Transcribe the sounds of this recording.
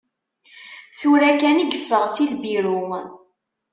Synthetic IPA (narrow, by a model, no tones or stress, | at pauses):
suɾækæniɡəfːəʁsilbiɾʊ